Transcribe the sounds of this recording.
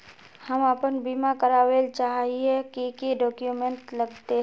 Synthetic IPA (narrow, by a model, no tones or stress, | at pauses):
hɐmapənbiːmakəɾaːwelt͡ʃaːɦɦiekikiɖɔːkjumẽɳʈləɡt̪e